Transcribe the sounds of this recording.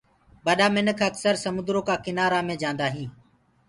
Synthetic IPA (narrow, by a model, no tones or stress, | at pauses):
ɓəɗaːmɪnəkʰəksəɾsəmʊ̃nd̪ɾoːkaːkɪnaːɾaːmẽːd͡ʒãːnd̪aːɦĩː